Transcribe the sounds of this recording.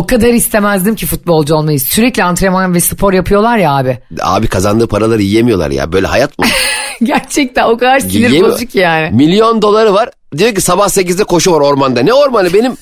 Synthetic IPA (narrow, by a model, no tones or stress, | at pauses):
okad̪aɾist̪ʰe̞mæzd̪imcʰifut̪̚bo̞lˠd͡ʒuo̞lˠmajɯzsyɾɛclʲiant̪ɾemanvɛsɯ̥pʰo̞ɾjapʰɯjo̞lˠaɾjaaːbɪa̰ːbikʰazand̪ɯːpʰaɾalˠaɾɯjijemijo̞lˠa̰ɾja̰bøjlʲɛ̰ɦa̰jat̪mɟæɾt͡ʃʰɛc̚t̪æno̞kad̪aɾslʲiɾed͡ʒukjaːnɪmilʲijo̞nd̪o̞lˠaɾɯvaɾ | d̪ijoɾc̬isabahse̞c̬izd̪ɛkʰo̞ʃuvaɾo̞ɾmand̪anɛo̞ɾmanʲˠɯbe̞nim